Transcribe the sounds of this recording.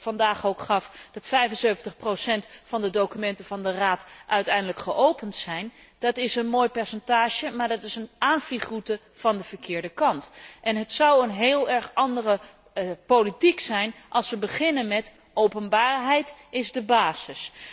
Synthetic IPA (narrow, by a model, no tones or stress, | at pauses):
fɑndaːχowkχɑfd̥ɑtfɛjvənsøɥvəntəχprosɛntfɑndədowkymɛntəvɑndəraːtʔœɥtɛjndələkχəʔowpəntsɛjnd̥ɑtɪsənmoːjpɛɹsɛntaːʒəmaːɹdɑtɪsənʔaːnvliχrutə | v̥ɑndəv̥əɹkɪːɹdəkɑntʔɛnɦətsɑwənɦeːlˠɛɹχɑndərə | politiksɛjnʔɑlˠsʋəbəχɪnənmɛt | owpənbaːɹɦɛjtɪzdəbaːz̥ɪs